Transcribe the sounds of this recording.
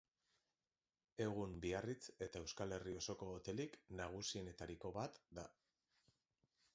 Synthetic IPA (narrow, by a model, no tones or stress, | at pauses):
e̞ɣ̞umbiarit͡se̞t̪ae̞wskale̞rio̞so̞ko̞ːt̪e̞liknaɣ̞usie̞ne̞t̪aɾiko̞βat̪d̪a